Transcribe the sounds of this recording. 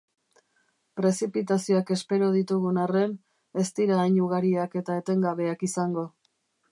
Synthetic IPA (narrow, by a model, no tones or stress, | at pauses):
pɾe̞sipit̪asio̞ake̞spe̞ɾo̞ð̞it̪uɣunare̞n | e̞st̪iɾaːjɲuɣ̞aɾiake̞t̪ae̞t̪e̞ŋɡaβe̞akisaŋɡo̞